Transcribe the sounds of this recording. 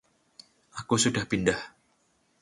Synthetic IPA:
ʔakusudahpindah

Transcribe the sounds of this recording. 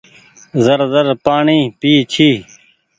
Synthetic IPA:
zəɾzəɾpaːɳiːpiːt͡ɕʰiː

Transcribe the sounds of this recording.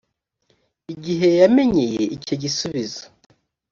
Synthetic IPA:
iɟiɦe̞jame̞ɲeje̞icoɟisuβizo̥

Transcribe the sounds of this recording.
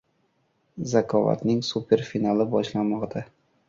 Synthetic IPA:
zakʰɒva̰t̪nɪŋsupʰʲe̞ɾfinalˠɪbɒʃlanmɒqd̪a

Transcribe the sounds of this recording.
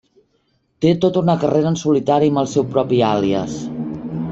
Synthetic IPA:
t̪et̪ot̪unəkəreɾənsulit̪aɾiəməlˠsɛwpɾɔpialiə̰s

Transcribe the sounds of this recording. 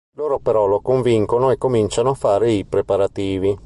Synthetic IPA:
loːɾopeɾɔlokoɱviŋkonoekːomint͡ʃanoafːaːɾeipɾepaɾat̪iːvi

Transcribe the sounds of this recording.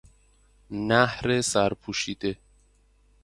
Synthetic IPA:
næhɾesæɾpʰuːʃiːd̪e

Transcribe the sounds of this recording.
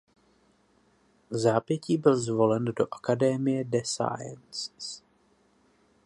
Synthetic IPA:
zaːpjɛciːbɪlzvo̞lɛndo̞ʔḁkadɛmɪjɛdɛsa̰jɛ̰nss

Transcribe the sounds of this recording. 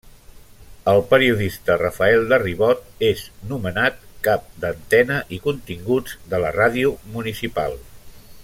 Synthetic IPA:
əlˠpəɾiuðist̪ərəfəɛlˠd̪əriβɔt̪̚eznumənat̪̚kap̚d̪ənt̪ɛnəʔikunt̪iŋɡud͡zd̪ələraðiumunisipa̰lˠ

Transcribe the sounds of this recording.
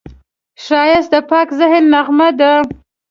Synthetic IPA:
ʃɑjɪs̚d̪əpɑkzɪɦɪnlaɣmad̪ə

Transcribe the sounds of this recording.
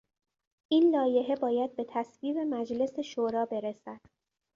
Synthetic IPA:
ʔiːnlɒːje̞ɦe̞bɒːjæd̪̚be̞t̪ʰæsviːbe̞mæd͡ʒle̞se̞ʃoːɾɒːbe̞ɾesæd̪̥

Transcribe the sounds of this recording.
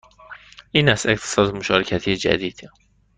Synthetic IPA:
ʔiːnæst̪eqt̪ʰe̥sɒːd̪emoʃɒːɾecʰæt̪ʰiːjed͡ʒæ̰d̪iːd̪̥

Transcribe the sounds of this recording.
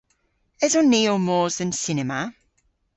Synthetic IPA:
ɛzɔnːiːomɔːzə̃nsɪnɛmə

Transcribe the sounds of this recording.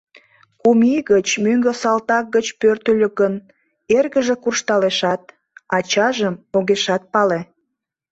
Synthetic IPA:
kumiɣət͡ɕmyŋɡə̆sɑlt̪ɑk̚ɡət͡ɕpørt̪əlʲøkɡən | erɣəʒekurʃt̪ɑleʃɑt̪̚ | ɑt͡ɕɑʒəmoɣeʃɑt̪̚pɑle

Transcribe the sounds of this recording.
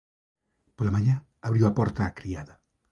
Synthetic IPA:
polamãɲã | aβɾiwɐpɔɾt̪aːkɾiaðɐ

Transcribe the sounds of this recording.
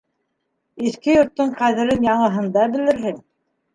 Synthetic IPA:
iθkɘjŏɾt̪ːɤɴqæðɘ̆ɾɘnjɑɴɤ̆ɦɤ̆nd̪ɑbɘ̆lɘ̆ɾɦɘŋ

